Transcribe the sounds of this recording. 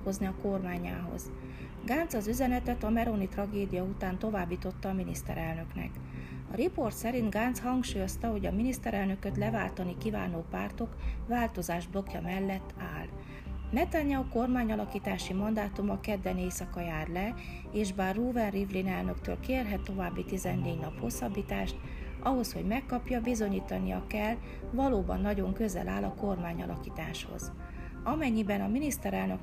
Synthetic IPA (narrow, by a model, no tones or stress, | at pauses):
kozniɒko̞rmaːɲa̰ːɦo̞̰z̥ | ɡaːnt̪sɒzyzɛnɛt̪ɛt̪ɒmɛɾonit̪rɒɡeːd̪ijɒut̪aːnt̪o̞vaːbːiːt̪o̞t̪ːɒːminist̪ɛ̰ɾɛlnø̞knɛ̰k | ɒɾipo̞rt̪sɛɾint̪ɡaːnt̪shɒŋkʃuːjo̞st̪ɒɦo̞ɟɒminist̪ɛɾɛlnø̞køt̪lɛva̰ːlt̪ɒnikiva̰ːnoːpa̰ːrt̪o̞kvaːlt̪o̞zaːʒblo̞kjɒmɛlːɛt̪ːa̰ːl | nɛt̪aɲːɛːko̞rmaːɲɒlɒkiːt̪aːʃimɒnd̪aːt̪umɒkɛd̪ːɛneːsɒkɒjaːrlɛ | eːʒbaːrːuːvɛnrivlinɛlnøkt̪ø̰ːlkeːrɦɛt̪ːo̞vaːbːit̪izɛnːeːɟnɒpho̞sːɒbːiːt̪aːʃt̪ | ʔɒɦo̞sho̞ɟmɛkːɒpjɒbizo̞ɲiːt̪ɒnijɒ̰kɛl | vɒloːbɒ̰nːɒɟo̞ŋkø̞zɛ̰lʔa̰ːlɒko̞rmaːɲɒ̰lʔɒ̰kiːt̪a̰ːʃho̰z | ɒmɛɲːibɛnɒminist̪ɛɾɛlnøk